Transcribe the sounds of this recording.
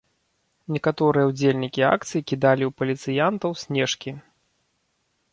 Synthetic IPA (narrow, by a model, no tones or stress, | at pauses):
nʲɛkat̪ɔɾɨjɛwd͡zʲelʲnʲikʲia̰k̚t̪sɨjikʲid̪alʲiwpɐlʲit̪sɨjant̪ɐwsʲnʲɛʂkʲi